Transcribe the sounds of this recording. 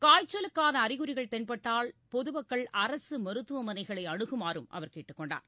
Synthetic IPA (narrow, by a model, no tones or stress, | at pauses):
kaːjt͡ʃːɐlɯkːaːðɐːɾɪɣɯɾɪɣɐɭt̪ɛnpɐʈːaːlpɔðɯʋɐkːɐɭʔɐɾɐsɯmɐɾɯt̪ːɯʋɐmɐnɐɪɣɐɭɐɪɐɽɯɣɯmaːɾɯmʔɐ̰ʋɐɾkeːʈːɯkːɔɳɖa̰ːɾ